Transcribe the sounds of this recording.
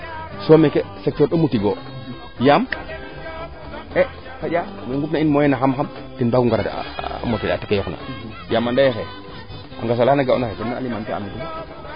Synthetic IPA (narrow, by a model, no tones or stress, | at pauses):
somekesek̚toɾɗomutiɡo | jam | e | kaɗa | weŋɡupnainmojenaxamxam | tinbaɡuŋɡaɾa̰motiati̥kejokna̰ | jamandajexe | a̰ŋɡas̬olanaɡaṵnaxekonːaa̰limantea̰mikuma